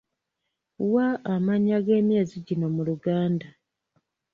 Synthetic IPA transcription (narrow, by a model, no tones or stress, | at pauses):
waʔːmaɲaɡe̞ːmje̞ːziɟino̞muluɡaːnda